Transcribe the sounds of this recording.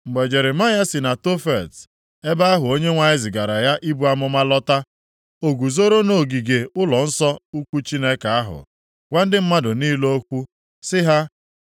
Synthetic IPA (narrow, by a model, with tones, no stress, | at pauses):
m̩˨ɡ͡be˨d͡ʒe˨ɾe˨ma˦ja˦si˨na˨to˦fe˨t | e˦ba˦a˦ɦʊ˨o˦ɲe˦ŋʷa˨ɲɪ˦zɪ˨ɡa˨ɾa˨ja˦ʔi˦bu˦a˦mʊ˦ma˦lɔ˦ta˦ | o˨ɡu˨zo˦ɾo˦no˨ɡi˨ɡe˨ʊ˦lɔ˨n̩˦sɔ˦u˦kʷu˦t͡ʃi˦ne˦ka˨a˦ɦʊ̰˨ | ɡʷa˦n̩˦dɪ˦m̩˦ma˦dʊ˨niː˦lo˦o˦kʷu˦ | sɪ˦ɦa˦